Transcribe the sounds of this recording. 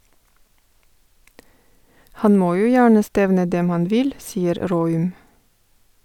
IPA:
ˈhɑn ˈmoː ˈjuː ˈjæːɳə ˈstɛʋnə ˈdɛm ˈhɑn ˈʋɪl ˈsiːəɾ ˈɾoːʉm

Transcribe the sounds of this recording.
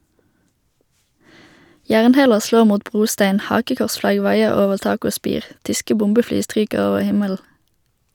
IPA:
ˈjæːʁnˌheːləʁ ˈsloːʁ ˈmuːt ˈbʁuːˌstæɪn ˈhɑːkəkɔʁsˌflɑɡ ˈʋɑɪəʁ ˈoːʋəʁ ˈtɑːk ˈoː ˈspiːʁ ˈtʏskə ˈbʊmbəˌflyː ˈstʁyːkəʁ ˈoːʋəʁ ˈhɪməll̩

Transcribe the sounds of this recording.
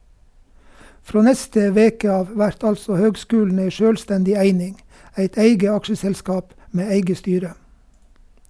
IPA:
ˈfɾoː ˈnɛstə ˈʋeːkə ˈɑːʋ ˈʋæɾt ˈɑlsɔ ˈhøːɡˌskʉːlɳ̩ ˈeɪ ˈʃøːlˌstɛndɪ ˈæɪnɪŋ ˈæɪt ˈæɪɡə ˈɑkʃəsɛlˌskɑːp ˈmeː ˈæɪɡə ˈstyːɾə

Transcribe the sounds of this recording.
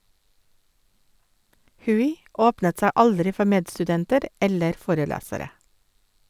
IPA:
ˈhʉːɪ ˈoːpnət ˈsæ ˈɑldɾɪ ˈfɔ ˈmeːdstʉˌdɛntəɾ ˈɛləɾ ˈfoːɾəˌlæːsəɾə

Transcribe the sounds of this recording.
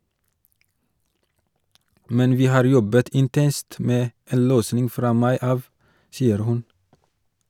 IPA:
ˈmɛn ˈʋiː ˈhɑːɾ ˈjɔbət ɪnˈtɛnst ˈmeː ˈeːn ˈløːsnɪŋ ˈfɾɑː ˈmɑɪ ˈɑːʋ ˈsiːəɾ ˈhʉn

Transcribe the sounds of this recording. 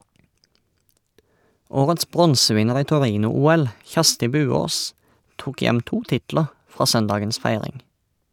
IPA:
ˈoːʁəts ˈbʁɔnsəˌʋɪnəʁ ˈiː tɔˈʁiːnʊˌuːɛl ˈçæʁstɪ ˈbʉːˌoːs ˈtuːk ˈjɛm ˈtuː ˈtɪtləʁ ˈfʁɑː ˈsœnˌdɑːɡəns ˈfæɪʁɪŋ

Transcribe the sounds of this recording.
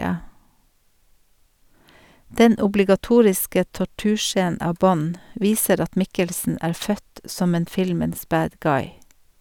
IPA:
ˈdɛn ʊblɪɡɑˈtuːɹɪskə tɔˈʈʉːˌʃeːnn̩ ˈɑːʋ ˈbɔn ˈʋiːsəɾ ˈɑt ˈmɪkəlsn̩ ˈæːɾ ˈfœt ˈsɔm ˈeːn ˈfɪlməns ˈbæːd ˈɡɑɪ

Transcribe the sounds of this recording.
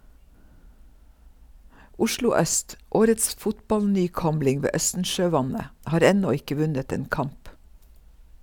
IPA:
ˈʊʃlʊ ˈœst ˈʔoːɾəts ˈfʊtbɑlnyːˌkɔmlɪŋ ˈʋeː ˈœstn̩ʃøːˌʋɑnə ˈʔhɑːɾ ˈɛnɔ ˈɪkə ˈʋʉnət ˈeːn ˈkɑmp

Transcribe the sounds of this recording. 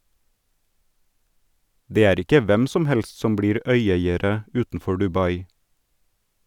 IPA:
ˈdeː ˈæːɾ ˈɪkə ˈʋɛm ˈsɔm ˈhɛls ˈsɔm ˈbɽiːɾ ˈœʏˌeɪəɾə ˈʉːtn̩ˌfɔ ɖʉˈbɑɪ

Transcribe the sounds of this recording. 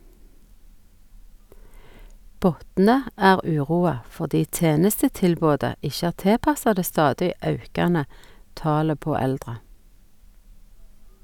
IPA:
ˈbɔtnə ˈæːʁ ˈʉːˌʁuːɑ fɔʁˈdiː ˈteːnəstətɪlˌboːdə ˈɪʃə ˈæːʁ ˈteːˌpɑsɑ ˈdeː ˈstɑːdɪ ˈɑʉkɑnə ˈtɑːlə ˈpoː ˈɛldʁə

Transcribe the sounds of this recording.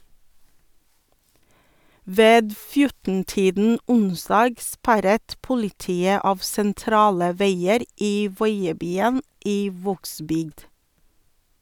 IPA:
ˈʋeːd ˈfjʊtn̩ˌtiːdn̩ ˈʊnˌsdɑːɡ ˈspæɾət ˈpʊlɪˌtiːə ˈɑːʋ sɛnˈtɾɑːlə ˈʋeɪəɾ ˈiː ˈʋɔʏəˌbyːən ˈiː ˈʋoːɡˌsbʏɡd

